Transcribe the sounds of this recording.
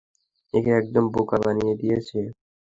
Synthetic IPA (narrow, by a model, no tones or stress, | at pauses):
eːkeək̚d̪əmboːkaːbaːnijeːd̪ijeːseː